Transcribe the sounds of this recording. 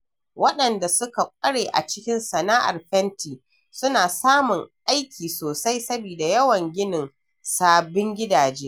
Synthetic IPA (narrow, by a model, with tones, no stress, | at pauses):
wɐ˦ɗɐ˨nda˨sʊ˦ka˨kʷʼɐ˦ɽeː˨ʔa̰˨t͡ʃɪ˦kʲɪ˦nsɐ˨naː˦ʔa̰˨rɸɛ˦ntiː˨ | sʊ˦naː˨saː˦mʊ˨ŋʔa˦jkʲʰiː˨soː˨sa˦jsɐ˦biː˨da˨jɐ˦wɐ˨ŋɡʲɪ˦nɪ˨n | saː˨bɪ˦ŋɡʲɪ˦daː˨d͡ʒeː˦